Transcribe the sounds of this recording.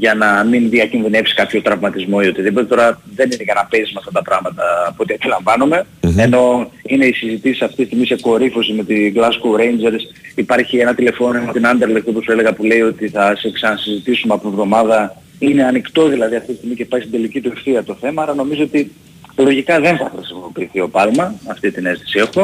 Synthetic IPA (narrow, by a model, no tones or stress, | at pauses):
ʝɐnɐminðiɐcinðine̞psi̥kɐpço̞t̪ɾɐvmɐt̪izmo̞io̞t̪iðip̬ot̪e̞t̪o̞ɾɐðe̞ninekɐnɐpesizmɐft̪ɐt̪ɐpɾɐɣmɐt̪ɐpuot̪iɐt̪ilɐɱvɐnume̞eno̞ine̞isizit̪isi̥sɐft̪ist̪iɣmiseko̞ɾifo̞simet̪iɡlɐskowɾe̞jnd͡ʒe̞ɾs | ipɐɾçie̞nɐt̪ile̞fo̞nomot̪inɐnd̪eɾlek̪t̪opusue̞le̞ɣɐpule̞io̞t̪iθɐseksɐnɐsizit̪isumeɐpovðo̞mɐðɐ | ine̞ɐnikt̪o̞ðilɐðiɐft̪it̪ist̪iɣmiceipɐɾçst̪ind̪e̞licit̪ueɾθiɐt̪o̞θe̞mɐɐlɐno̞mizo̞o̞t̪i | lo̞ʝikɐðe̞nθɐxɾisimo̞piːθio̞pɐlmɐːft̪it̪ine̞st̪i̥siɐft̪o